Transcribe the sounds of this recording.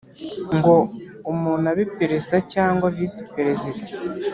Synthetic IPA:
ŋɡo̞ | umuːnaβipeɾezidacaːŋɡwavisi̥peɾezidḁ

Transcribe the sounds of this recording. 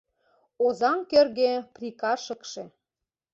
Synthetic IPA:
ozɑŋkørɣeprʲikɑʃə̆kʃĕ

